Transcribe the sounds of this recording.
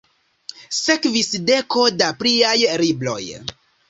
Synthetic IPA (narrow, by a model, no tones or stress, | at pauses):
se̞kvisde̞ko̞dapɾiajɾiblo̞̰j